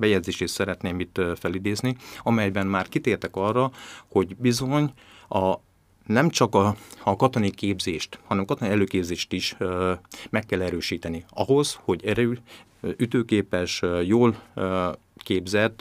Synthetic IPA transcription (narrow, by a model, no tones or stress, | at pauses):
bɛjɛd̪zeːʃeːt̪sɛɾɛt̪neːmit̪fɛlid̪eːzniɒmɛjbɛnmaːrkit̪eːrt̪ɛkɒrːɒho̞ɟbizo̞ɲ | ɒ | nɛmt͡ʃɒkɒkɒt̪onikeːbzeːʃt̪hɒnɛmkɒt̪oniɛløːkeːbzeːʃt̪iʃ | mɛkːɛlːɛɾøːʃiːt̪ɛniɒ̰ɦo̞zho̞ɟɛɾøː | yt̪øːkeːpɛʃjoːl | keːbzɛt̪ː